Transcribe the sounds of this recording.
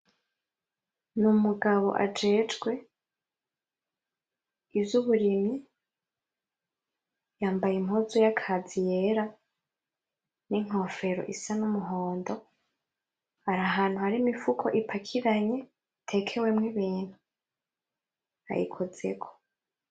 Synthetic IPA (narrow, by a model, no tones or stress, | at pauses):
numuɡaβo̞̰ʔa̰d͡ʒe̞ːd͡ʒɡwe̞ | ivjuβuɾimɲi | jaːmbajimhozujakʰazije̞ɾa | niŋ̥ho̞ːfe̞ɾo̰ʔisanumuɦo̞ːndo̞ | haɾaɦaːn̥huhaɾimifukʰo̞̰ʔipʰakʰiɾaɲe̞ | tʰe̞kʰe̞we̞mŋiβiːn̥hu | a̰jḭkʰoz̥e̞̰kʰo̥